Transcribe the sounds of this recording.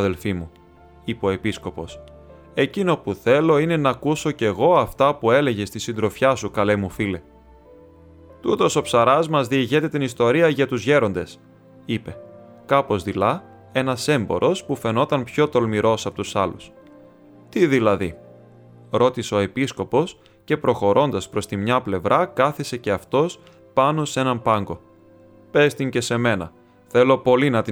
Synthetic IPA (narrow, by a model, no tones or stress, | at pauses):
ðelfimu | ipo̞episko̞po̞s | e̞cino̞puθe̞lo̞ine̞nɐkuso̞ce̞ɣo̞ɐft̪ɐpue̞le̞ʝe̞st̪isind̪ɾo̞fçɐsukɐlemufile̞ | t̪ut̪o̞so̞psɐɾɐzmɐzðiiʝe̞t̪e̞t̪inist̪o̞ɾiɐʝɐt̪uzʝe̞ɾo̞nd̪e̞s | ipe̞ | kɐpo̞zðilɐ | e̞nɐse̞mbo̞̰ɾʔo̞spufe̞no̞t̪ɐnpço̞t̪o̞lmiɾo̞sɐpot̪usɐlus | t̪iðilɐði | ɾo̞t̪iseo̞e̞pisko̞po̞s | ce̞pɾo̞xo̞ɾʔo̞nd̪ɐspɾo̞st̪imɲɐple̞vɾʔɐkɐθise̞ce̞ɐft̪o̞s | pɐno̞se̞nɐmpɐŋɡo̞ | pe̞st̪iɲce̞se̞me̞nɐ | θe̞lo̞po̞linɐt̪i